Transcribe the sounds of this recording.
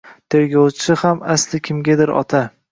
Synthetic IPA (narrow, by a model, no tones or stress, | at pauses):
t̪ʰe̞ɾɡʲɒwt͡ʃʰɪhamaslɪkʲʰɪmɡʲad̪ɪɾɒ̰t̪ʰa